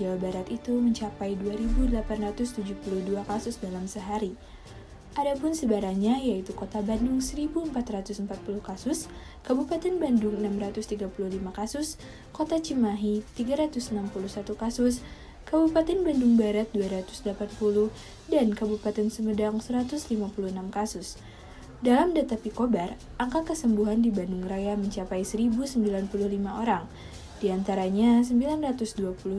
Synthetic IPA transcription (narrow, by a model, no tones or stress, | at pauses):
d͡ʒawabaɾat̪it̪uməɲt͡ʃapajduaɾibudəlapanrat̪ʊst̪ud͡ʒupuluhduakasʊsdalamsəɦaɾi | ʔadapʊnsəbaɾaɲajait̪ukot̪abandʊŋsəɾibuəmpat̪ɾat̪ʊsəmpat̪̚puluhkasʊs | kəbupat̪ɛnbandʊŋənamrat̪ʊst̪iɡapuluhlimakasʊs | kot̪at͡ʃimaɦit̪iɡaɾat̪ʊsənampuluhsat̪ukasʊs | kəbupat̪ɛnbandʊŋbaɾat̪̚duaɾat̪ʊ̥sdlapanpuluh | dankəbupat̪ɛnsəmədaŋsəɾat̪ʊslimapuluhənamkasʊs | dalamdat̪apikobarʔaŋkat̪̚kəsəmbuɦandibandʊŋrajaməɲt͡ʃapajsəɾibusəmbilanpuluhlimaʔoɾaŋ | d̥iant̪aɾaɲasəmbilanrat̪ʊsduapulu